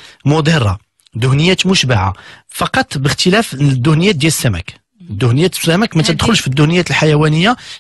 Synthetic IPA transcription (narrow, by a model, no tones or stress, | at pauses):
mʊd̪ˤiɾˤːɑ̰ | d̪ʊhnəjːæt̪mʊʃbaʕa̰fɑqɑt̪ˤːbəxt̪əlæfd̪ːʊhnəjːæd̪jæləsːæmæ̰k | d̪ːʊhnəjːæt̪sːæmækmæt̪əd̪xʊlʃfid̪ːʊhnəjːæt̪lħajæwænəjːa